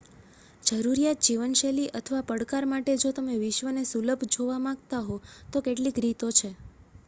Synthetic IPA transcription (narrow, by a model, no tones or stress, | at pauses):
d͡ʒəɾuɾijat̪̚d͡ʒiʋənʃeliʔət̪ʰəʋapəɽkaɾmaʈed͡ʒot̪əmeʋɪʃʋənesuləbʱd͡ʒoʋamãɡ̚t̪aɦot̪okeʈlikɾit̪ot͡ʃʰe